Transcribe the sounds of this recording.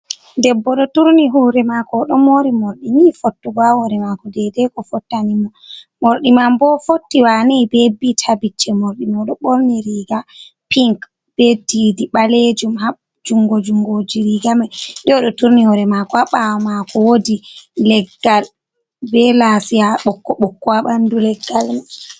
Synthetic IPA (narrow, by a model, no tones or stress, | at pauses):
dɛbːɔɗɔtuɾniɦɔɾɛmakɔɗɔmoɾimoɾɗinifotːuɡahɔɾɛmakɔdɛdɛkɔfɔtːanimɔmoɾɗimambɔfotːiwanɛbɛbitʰabit͡ʃːɛmoɾɗimaɗɔɓoɾniɾiɡa | piŋk | b̥ɛdidiɓaled͡ʒumha | d͡ʒuŋɡod͡ʒuŋɡod͡ʒiɾiɡamaɗɛɔɗɔtuɾnihɔɾɛmakɔaɓawɔmakʰɔwodilɛɡːal | bɛlasijaɓɔkːɔɓɔkːɔaɓandulɛɡːalma